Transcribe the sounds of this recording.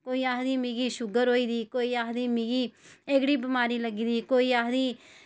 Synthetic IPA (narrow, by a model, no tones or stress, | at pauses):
koːiːaːɦd̪iːmĩɡiːʃʊɡəɾɦoːiːd̪iːkoːiːaːɦd̪iːmiːɡiːeːɡɽiːbɪmaːɾiːləɡiːd̪iːkoːiːaːɦd̪iː